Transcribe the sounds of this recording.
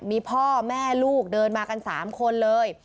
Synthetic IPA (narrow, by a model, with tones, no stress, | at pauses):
miː˧pʰɔː˥˩mɛː˥˩luː˥˩k̚dɤː˧nmaː˧ka˧nsa̰ː˩˦mkʰo˧nlɤː˧j